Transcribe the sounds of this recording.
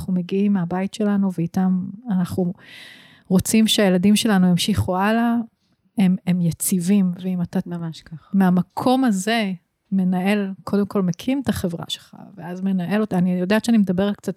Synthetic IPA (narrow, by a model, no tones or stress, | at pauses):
χume̞ɡiimːeabajitʃe̞lanuveitamanaχu | ʁo̞t͡simʃeajeladimʃe̞lanujemʃiχuala | ememjat͡sivimveimat̪a | meamakʰo̞maze̞ | me̞nae̞lkʰo̞de̞mko̞lmekʰimtaχe̞vʁa̰ʃelχa̰veazme̞naʔe̞lotanijodatʃeanimed̪abe̞ʁtk̚t͡sat